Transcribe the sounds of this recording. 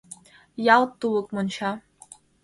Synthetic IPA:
jɑlˠt̪uwɤ̆kmɤ̆nɕɑ

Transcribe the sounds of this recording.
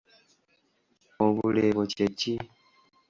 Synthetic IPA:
oβuleβoceci

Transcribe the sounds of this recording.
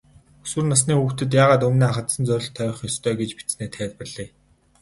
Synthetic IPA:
u̥swɘ̆rnas̬niːuxt̪ɘ̆t̪̬jaːʁaːt̪ɵmniːaχə̆t̪sə̆nt͡sœɾʲɞ̆ɬt̪ʰːœːχjɔst̪ʰœːɡet͡ɕpit͡sneːt̪ʰæːt̪̚pə̆rɮiː

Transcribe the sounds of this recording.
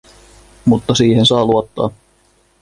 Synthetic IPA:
mut̪ːɑsiːɦensɑːluot̪ːɑ̰ː

